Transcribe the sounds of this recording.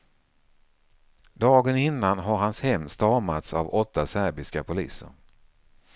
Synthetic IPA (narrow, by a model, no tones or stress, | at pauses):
d̪ɑːɡənɪnːanɦaɾhanshɛmːst̪ɑɾmat̪sa̰vɔt̪ːasæɾbɪskapʰʊliːsə̰ɾ